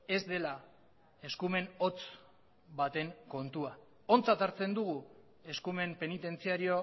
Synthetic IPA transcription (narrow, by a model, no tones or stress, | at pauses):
e̞zd̪e̞la | e̞skume̞no̞t͡s | bat̪e̞ŋko̞nt̪ua | o̞nt͡sat̪aɾt͡se̞nd̪uɣu | e̞skume̞mpe̞nit̪e̞nt͡siaɾio̞